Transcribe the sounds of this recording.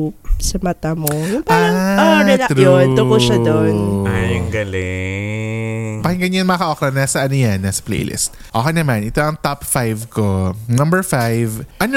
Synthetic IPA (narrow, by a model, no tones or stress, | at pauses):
sɐmɐt̪amopʔaaɾod̪okoʃad̪onajɐŋɡɐlɪ | pɐhɪŋɡɐnɲɐnɐŋmɐɐkɐʔoːkɾɐnaːsɐʔɐnojanːasɐ̥plḛjlʔɪ̰st̪̚ | ʔoːkejnɐmanʔɪt̪oʔɐŋt̪apfajvkonɐmbɛɹfajvʔɐn